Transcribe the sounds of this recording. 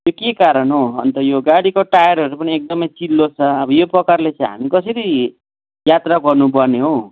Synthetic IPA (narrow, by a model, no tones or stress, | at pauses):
jokekaɾʌnɦoʌnt̪ʌjoɡaɽikoʈajʌɾʌɾupʌniek̚d̪ʌmʌjt͡silːot͡sʰʌʌbʌjoprʌkarlet͡sʌjɦa̰mikʌsʌɾi | jat̪raɡʌrnupʌrneɦõ